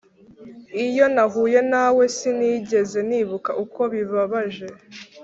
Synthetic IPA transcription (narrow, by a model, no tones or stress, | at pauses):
ijo̞naɦuːje̞nawe̞siniːɟe̞ze̞niβukaʔuko̞βiβaβaʒe̞